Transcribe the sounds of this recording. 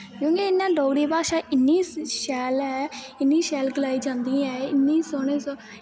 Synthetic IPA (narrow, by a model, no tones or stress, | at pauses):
kjõːkeɪnːãːɖoːɡɽiːpaːʃãːʔɪnːiːsʃɛːlɛːɪnːiːʃɛːlɡəlaːiːd͡ʒãːnd̪iːɛːɪnːiːsoːneːsoː